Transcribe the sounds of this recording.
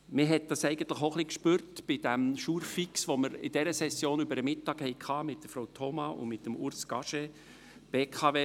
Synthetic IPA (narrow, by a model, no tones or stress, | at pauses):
mɪɦɛt̚d̥ɑsɛɪɡən̩t̪ləχoχlikʃpyːɾtb̥ɪd̥æmʃuːɾfiksʋoməɾɪ̰d̥ɛɾəsɛsjoːnybəɾəmɪtːɑːkhɛɪkʰɑːmɪt̚d̥əfɾowtʰɔmɑʔʊ̰nmɪtːəmʊɾsɡɑʃe | b̥eːkʰɑveː